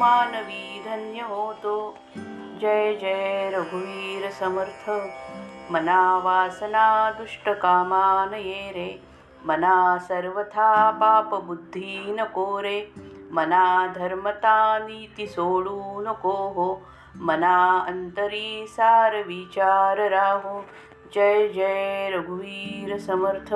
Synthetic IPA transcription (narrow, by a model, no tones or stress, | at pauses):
aːnɐʋiːd̪ʱɐnjɐɦoːt̪oː | d͡ʒɐjd͡ʒɐjɾɐɡʱuʋiːɾɐsɐmɐɾt̪ʰɐ | mɐnaːʋaːsɐnaːd̪uʂʈɐkaːmaːnɐjeːɾeː | mɐnaːsɐɾʋɐt̪ʰaːpaːpɐbud̪ʱːiːnɐkoːɾeːmɐnaːd̪ʱɐɾmɐt̪aːniːt̪isoːɭuːnɐkoːɦo | mɐnaːɐnt̪ɐɾiːsaːɾɐʋiːt͡ʃaːɾɐɾaːɦo | d͡ʒɐjd͡ʒɐjɾɐɡʱuʋiːɾɐsɐmɐɾt̪ʰɐ